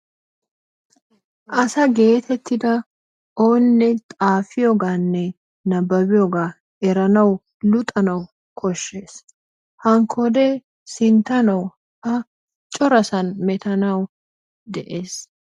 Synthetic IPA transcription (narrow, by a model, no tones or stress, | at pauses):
ʔɐsɐɡe̞ːt̪ʰɛt̪ʰːɪd̪ɐ | ʔoːnːɛt̪ʼaːfɪjoɡaːnːɛ | nɐbːɐbɪjoɡaː | ʔɛɾɐnɐw | lʊt̪ʼɐnɐw | kʰɔʃːe̞ːs | hɐŋkʰːɔd̪ɛ | sɪnt̪ɐnɐw | ɐ | t͡ʃʼɔɾɐsɐnmɛt̪ɐnɐw | d̪ɛʔe̞ːs